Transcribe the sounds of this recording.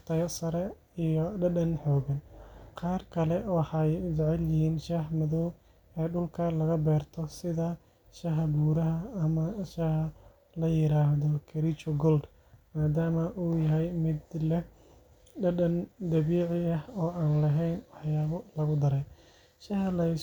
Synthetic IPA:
t̪ʰɐjɐsɐɾɛ | ijɔɖɐɗɐnħɔːɡɐnqʰɑːrkʰɐlɛwɑħɑjd͡ʒɛʕɛljɪhiːnʃahmɐðɔw | ɛːɖʊlkʰɐlɐɣɐbɛːrt̪ʰɔsɪðɐ | ʃɐɦɐbuːɾɐɦɐːmɐʃɐhɐ | lɐjɪɾaːɦðɔkʰɐɾit͡ʃɔɡɔld̪ | maːd̪aːmɐʔuːjɐɦɛjmɪd̪lɛ | ɖɐɗɐnd̪ɐβiːʕɪɐhɔːaːnlɐɦɛjnwɑħjaːβɔlɐɣʊd̪ɐɾɛj | ʃɐhɐlɐj

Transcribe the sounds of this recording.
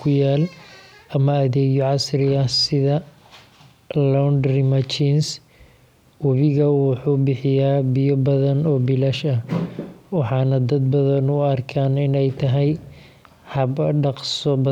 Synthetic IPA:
kʰʊjaːlʔɐmɐːðɛːɣɔʕɑsɾɪɐsɪðɐ | lɔnd̪ɾɪmɐt͡ʃins | wɐβɪɣɐwʊħuːbɪħɪjaːbɪjɔbɐðɐnɔːbɪlɐʃɐ | wɑħɑːnɐd̪ɐd̪̚bɐðɐnʊɐrkʰaːnɪnɛjt̪ʰɐɦɛj | hɐbɐɖɑqsɔbɐ

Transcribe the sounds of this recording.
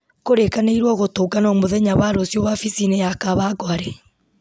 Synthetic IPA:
koɾekaneiɾwɔɣotoːɡanɔmoðɛɲaβaɾosjowafisinɛjakaβaɡwaɾɛ

